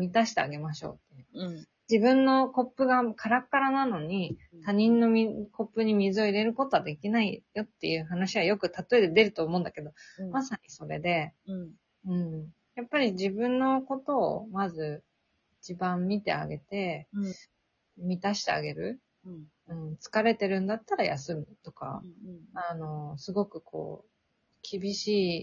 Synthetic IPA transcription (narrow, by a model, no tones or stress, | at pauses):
mʲit̪aɕi̥t̪e̞aɡe̞maɕo̞̰ːt̪ːe̞jɯ̟ | d͡ʑibɯ̟̃nːo̞ko̞pːɯ̟ɡakʰaɾakɯkt̪ːaɾanano̞ɲ̟it̪aɲ̟ĩnːo̞mʲikʰo̞pːɯ̟ɲ̟imʲizɨo̞iɾe̞ɾɯ̟ko̞t̪o̞ad̪e̞kʲinaijo̞t̪ːe̞jɯ̟ːɦanaɕiβ̞ajo̞kɯ̟t̪at̪o̞e̞d̪e̞d̪e̞ɾɯ̟t̪o̞ːmõ̞ːnd̪ake̞d̪o̞masaɲ̟iso̞ɾe̞d̪e̞ | ɯ̟̃ɴ | japːaɾʲiʑibɯ̟̃nːo̞ko̞t̪o̞̰ːmazɨ | it͡ɕibãmːʲit̪e̞̰a̰ɡe̞t̪e̞ | mʲit̪aɕi̥t̪e̞̰a̰ɡe̞ɾɯ̟ | ɯ̟̃ɴt͡sɨ̥kaɾe̞t̪e̞ɾɯ̟̃nd̪at̪ːaɾaja̰sɨmit̪o̞ka̰ano̞sɨɡo̞kɯ̟kʰo̞̰ː | kʲibʲiɕiː